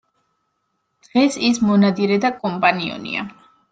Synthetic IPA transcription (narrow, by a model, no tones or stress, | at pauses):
d̪̥ʁɛsismɔnad̪iɾɛd̪akʼɔmpʼaniɔ̰nḭa̰